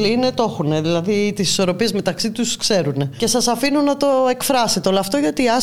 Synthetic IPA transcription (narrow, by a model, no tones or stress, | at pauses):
line̞t̪o̞xune̞ðilɐðit̪isi̥so̞ɾo̞pie̞zme̞t̪ɐksit̪uskse̞ɾune̞ce̞sɐsɐfinunɐt̪o̞e̞kfɾɐset̪eolɐft̪o̞ʝɐt̪iɐ